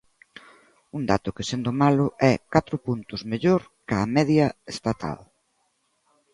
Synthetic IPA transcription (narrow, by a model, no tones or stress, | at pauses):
und̪at̪ʊkɪsend̪ʊmalʊʔɛkat̪ɾʊpunt̪ʊzmeʎoɾ | kamɛðjɐest̪at̪ʰa̰l